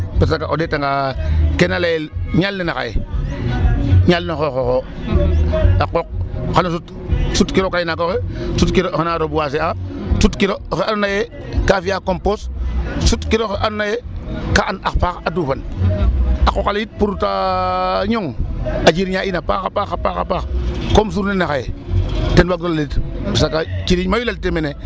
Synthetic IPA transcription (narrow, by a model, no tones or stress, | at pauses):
pes̬akaʔodetaŋɡakenalelɲalninaka̰jḛ | ɲalnoxoxoxo | aqok̚xalosut | sutkiɾokajinakoxesutkiɾoxenaɾobuwas̬easutkiɾoxeannaje | kafijakompossutkiɾoxeʔannajekaanaxpaxadufan | akokaljit̚puɾutaɲoŋad͡ʒiɾɲainapaxapaxapaxa̰paxkoms̬uɾnenaxajḛtenbaɡdollitisakakiɾiɲmajulaltemene